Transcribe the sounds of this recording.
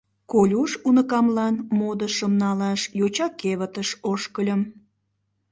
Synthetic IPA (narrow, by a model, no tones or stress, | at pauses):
kolʲuʃunəkɑmlɑnmod̪əʃəmnɑlɑʃjot͡ɕɑkeβət̪əʃoʃkəlʲəm